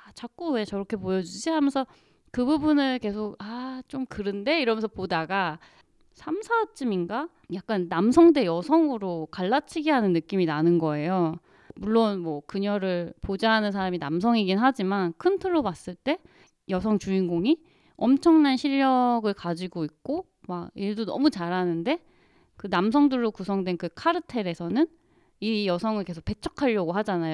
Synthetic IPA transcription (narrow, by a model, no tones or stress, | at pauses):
at͡ɕak͈uwe̞t͡ɕʌɾʌkʰe̞pojʌd͡ʑud͡ʑiɦamjʌnsʰʌ | kɯbubunɯɭke̞sʰoɡ̚at͡ɕ͈omkɯɾɯnde̞iɾʌmjʌnsʰʌpodaɡa | sʰamsʰat͡ɕ͈iminɡa | jak̚k͈anːamsʰʌŋde̞jʌsʰʌŋɯɾokaɭːat͡ɕʰiɡeɦanɯnːɯk͈iminanɯnɡʌe̞jo | muɭːonmwʌkɯɲʌɾɯɭpod͡ʑaɦanɯns̬ʰaɾaminams̬ʰʌŋiɡinɦad͡ʑimankʰɯntʰɯɭːobas͈ɯɭt͈e̞ | jʌsʰʌŋt͡ɕuinɡoŋi | ʌmt͡ɕʰʌŋnanɕʰiʎːʌɡɯɭkad͡ʑiɡoik̚k͈o | maiɭdonʌ̰mut͡ɕaɾɦanɯnde̞ | kɯnamsʰʌŋdɯɭːokusʰʌŋdwe̞nkɯkʰaɾɯtʰe̞ɾe̞sʰʌnɯn | ijʌsʰʌŋɯɭke̞sʰok̚p͈e̞t͡ɕʰʌkʰaʎːʌɡoɦad͡ʑanajo